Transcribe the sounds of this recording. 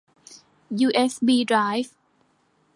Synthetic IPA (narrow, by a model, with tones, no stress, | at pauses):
juː˧ʔe˦˥sbiː˧dɾaː˦˥jf